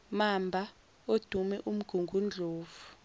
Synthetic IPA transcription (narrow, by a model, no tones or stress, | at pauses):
mambʱa | od̥ʱumɛʔum̩ɡ̥ʱuŋɡʱund͡ɮʱoːvu